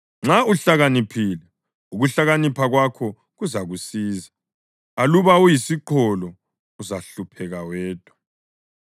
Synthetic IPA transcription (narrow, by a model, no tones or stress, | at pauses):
ŋ͡ǁauɬaɣanipʰilɛ | uɣuɬaɣanipʰaɣwakʰɔ | ɣuzaɣusiːza | aluβaujisiǃʰɔlɔ | uzaɬupʰɛɣawɛːd̥ʼʱwa